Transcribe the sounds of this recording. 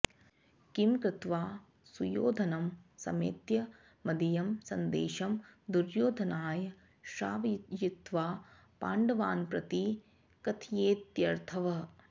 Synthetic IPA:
kimkɾɪt̪ʋaː | sujoːd̪ʱɐnɐmsɐ̰mḛːt̪jɐː | ɐd̪ijɐmsɐnd̪eːʃɐmd̪uɾjoːd̪ʱɐnaːjɐ | ʃaːʋjit̪ʋaː | pa̰ːɳɖɐʋaːnpɾɐt̪i | kɐt̪ʰijeːt̪jɐɾt̪ʰɐʋɐ

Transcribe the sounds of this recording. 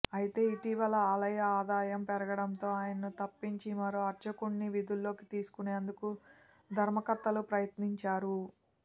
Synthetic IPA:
ɐjit̪e̞ːiʈiʋɐlɐaːlɐjɐaːd̪aːjɐmpɛɾɐɡɐɽɐnt̪o̞ːaːjɐnɐnut̪ɐpːiɲt͡ʃimɐɾoːɐɾt͡ʃɐkuɳːiʋid̪ʱulːo̞ːkit̪iːsu̥kune̞ːnd̪uku | d̪ʱɐɾmɐkɐɾt̪ɐlupɾɐjɐt̪niɲt͡ʃaːɾu

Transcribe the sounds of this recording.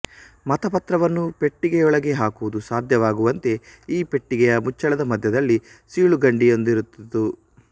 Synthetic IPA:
mɐt̪ɐpɐt̪ɾɐʋɐnːupe̞ʈːiɡɛjɔɭɐɡe̞ɦaːkuʋud̪usaːd̪ʱjɐʋaːɡuʋɐnt̪e̞iːpe̞ʈːiɡɛjɐmut͡ʃːɐɭɐd̪ɐmɐd̪ʱjɐd̪ɐlːi | siːɭuɡɐɳɖijo̞nd̪iɾut̪ːɐd̪u

